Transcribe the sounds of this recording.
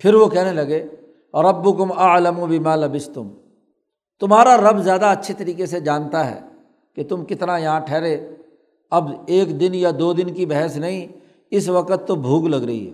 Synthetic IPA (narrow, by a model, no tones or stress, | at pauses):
pʰɪɾʋokɛɦnelɐɡeː | ɾɐbːʊkʊmɐləmubɪmaːlɐbɪst̪ʊm | t̪ʊmɦaːɾaɾɐbzjaːd̪aɐtːʃʰet̪ɐɾiːkesed͡ʒaːnt̪aɦɛ̰ː | ket̪ʊmkɪt̪najɐɦãʈʰɛːɾe | ɐbeːkd̪ɪnjad̪oːd̪ɪnkibɛɦɛsnɐɦĩ | ɪsʋɐqət̪ːobʱuːɡlɐɡɾɐ̰ɦḭɦɛ̰ː